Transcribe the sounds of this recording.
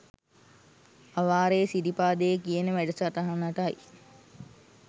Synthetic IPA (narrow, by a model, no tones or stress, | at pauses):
aʋaːɾesidipaːd̪ejekijənəʋæɖəsaʈaɦanaʈaj